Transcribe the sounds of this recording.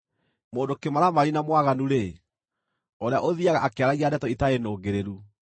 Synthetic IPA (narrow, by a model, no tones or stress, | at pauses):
moːndokemaɾamaɾinamwaɣanuɾe | ɔɾeaʔoðiaɣaʔakeaɾaɣiandɛtɔitaenoːɡeɾeɾu